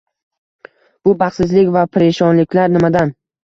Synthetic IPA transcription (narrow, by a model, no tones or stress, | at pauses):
b̥ʊbaχsɪzlɪkʲvapʰɪɾeʃɒnlɪkʲʰlaɾnɪmad̪an